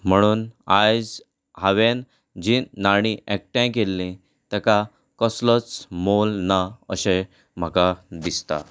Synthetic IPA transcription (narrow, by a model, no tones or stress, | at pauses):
m̤əɽ̃uːnajd͡z | ɦaʋen | d͡ʑinaɽ̃iʔɛk̚ʈãk̬elːĩ | t̪ɛka | kəslət͡smolnaəɕẽ | m̤akad̪ist̪a̰